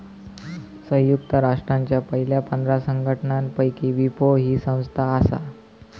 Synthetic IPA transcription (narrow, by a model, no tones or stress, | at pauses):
sə̃ɦjuk̚t̪əɾaʂʈɾaɲt͡ɕjapəɦiljapənd̪ʱɾasəŋɡʱəʈəɳanpəjkiʋipoɦiːsə̃w̃st̪ʰaːsa̰